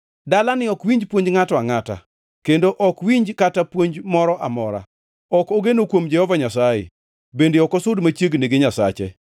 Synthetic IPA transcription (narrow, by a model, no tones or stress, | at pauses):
dalanɪɔkwiɲd͡ʒpwoɲd͡ʒŋatɔaŋata̰ | kendoʔɔkwiɲd͡ʒkatapwoɲd͡ʒmɔɾɔʔamɔɾa̰ | ɔkoɡenokwomd͡ʒɛhɔvaɲasajḛ | bendeɔkɔsʊdmat͡ʃjeɡneɡeɲasa̰t͡ʃḛ